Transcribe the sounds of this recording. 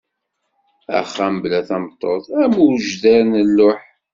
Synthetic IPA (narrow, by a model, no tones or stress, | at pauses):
æ̰χːæməblæθæmt̪ˤːoθˤæmuɾʒðæɾnəlːʊħ